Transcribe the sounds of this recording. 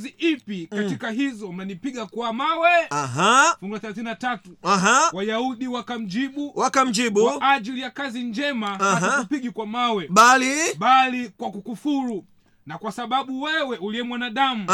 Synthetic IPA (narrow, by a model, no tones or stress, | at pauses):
ziʔipikatikaɦizɔm̩nanipiɡakuamawɛaɦafuŋɡulaθɛlaθinatatuaɦawajauɗiwakam̩d͡ʒiɓuwakam̩d͡ʒiɓuʔad͡ʒilijakaziɲd͡ʒɛmaaakupiɡikwamawɛɓaliɓalikwakukufuɾu | nakwasaɓaɓuwɛwɛʔuliwɛmwanaɗamu